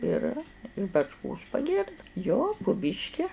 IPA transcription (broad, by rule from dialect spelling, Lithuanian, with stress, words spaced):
ˈɪr ɪʃ bɐt͡ʃˈkoːs pɐˈɡʲɪrdɐɪ joː pʊ ˈbʲiːʃʲkʲɪ